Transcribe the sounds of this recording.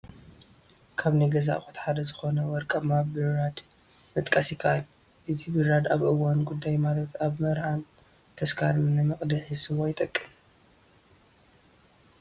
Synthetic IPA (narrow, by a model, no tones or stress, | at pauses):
kʰaβniɡɐza̰ʔxu̥t̪ħad̪ɐzɨxo̞nɐwɔɾkʼɐmabɨɾːad̪ | mɨt̪ʼkʼɐsjɪkʰaʔal | ʔɨt̪ʰibɨɾad̪aβʔɨwanɡud̪ːajmalɐt̪ʰaβmɐɾhan | t̪ʰɐskʰaɾɨnːɨmɨχʼd̪ɨħɨsɨβojɪt̪ʼɐkʼːɨm